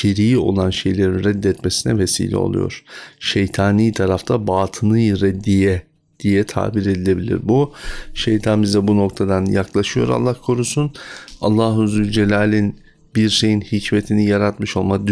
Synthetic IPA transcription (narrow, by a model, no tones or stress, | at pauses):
cʰiɾijio̞̰lˠanʃe̞jlʲe̞ɾinɾɛd̪ːɛt̪mesinɛve̞sḭːlʲɛ̰o̞̰lˠṵjo̞̰ɾ̥ʃejt̪ʰaːniːt̪ʰaɾaft̪ʰabaːt̪ʰɯnɯjɾɛd̪ːijɛ | d̪̥ijɛt̪ʰa̰ːbiɾe̞d̪ilʲe̞bilʲḭɾbuʃejt̪ʰanbizɛbuno̞k̚t̪ʰad̪anjaklˠaʃɯjo̞ɾa̰lˠːahkʰo̞ɾusunalˠːaɦuzylʲd͡ʒe̞lʲaːlʲin | biɾʃe̞jinhicme̞t̪ʰinijaɾat̪mɯʃo̞lˠmad̪